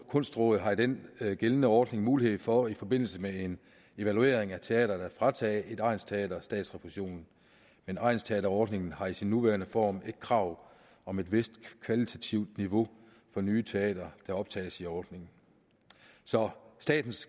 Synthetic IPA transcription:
kʰɔ̽n̰sd̥ʁɔ̰ːð̩ˠɦɑ̈id̥enɡ̥elnəɒːd̥ne̝ŋmuːlihe̝ð̩̰ˠfɒ̽ifɒ̽b̥e̝n̰l̩səmee̝n | e̝ʋælue̝̰ːɐeŋæt͡sʰe̝ɛ̰ːd̥ɐd̥æfʁɑ̈t͡sʰɛːe̝d̥ɑ̈ɪ̰nst͡sʰeɛ̰ːd̥ɐsd̥ɛ̰ːd̥sʁɛpʰʁuɕo̝̰ːnn̩ | menʔɑ̈ɪnst͡sʰeɛ̰ːdɐɒːd̥ne̝ŋn̩hɑ̈isinːuʋæːɐnəfɒ̰ːmeɡ̥̚kʰʁɑ̈ʊ̰ | ɒ̽me̝d̥ʋe̝sd̥kʰʋælit͡sʰæt͡sʰiʊd̥niʋo̝ | fɒ̽nyːt͡sʰe̝ɛ̰ːd̥ɐd̥ɑ̈ɒ̽b̥̚t͡sʰɛ̰ːsiɒːd̥ne̝ŋn̩ | sɒ̽sd̥ɛ̰ːd̥n̩s

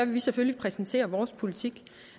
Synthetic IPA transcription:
æʋe̝ʋiseføljipʰʁɛsn̩t͡sʰe̝̰ːɐʋɒːspʰo̝lit͡sʰiɡ̥

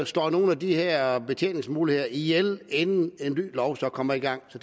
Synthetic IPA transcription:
sd̥ɒ̰ːno̝ːn̩æd̥iheɐ̰b̥e̝t͡sʰjḛːneŋsmuːlihe̝ðˠɐijelenn̩e̝nly̰ːlɒʊsɒ̽kʰɒ̽mɐiɡ̥ɑ̈ŋ̰sɒ̽

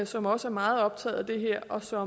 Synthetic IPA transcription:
sɒ̽mɒ̽səæɐmɑ̈ːð̞̩ˠɒ̽b̥̚t͡sʰɛ̰ːð̩ˠæd̥e̝ɦeɐ̰ʔɒ̽sɒ̽

